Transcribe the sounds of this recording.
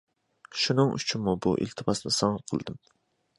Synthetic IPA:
ʃunɨŋʔy̰t͡ʃʰimːubṵʔḭlt̪ʰɨpɑsnɨsɑŋqʰəl̰ˠd̪ɨm

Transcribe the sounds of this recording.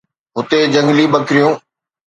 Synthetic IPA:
ɦʊt̪ed͡ʑɐ̃ŋɡliɓɐkɪɾijõː

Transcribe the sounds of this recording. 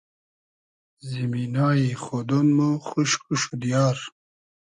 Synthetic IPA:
ziminaːiχod̪onmuxuʃkuʃud̪ijɑːɾ

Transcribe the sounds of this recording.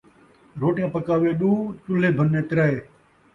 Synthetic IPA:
ɾoːʈjãːpəkaːʋeːɗuːt͡ʃʊl̤eːbʱənːẽːt̪ɪɾaːeː

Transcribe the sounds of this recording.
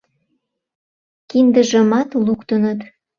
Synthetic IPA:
kind̪əʒəmɑt̪lukt̪ənət̪

